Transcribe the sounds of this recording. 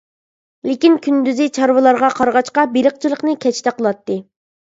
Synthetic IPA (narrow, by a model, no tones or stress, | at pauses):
lekʲinkʲʰynd̪yzɪt͡ʃʰɑɾwɨlˠɑɾʁɑqʰɑɾʁɑʃqɑbeɾəq̚t͡ʃʰilˠəqnɨkʲʰɛt͡ʃt̪ɛqʰəlˠɑt̪ːɨ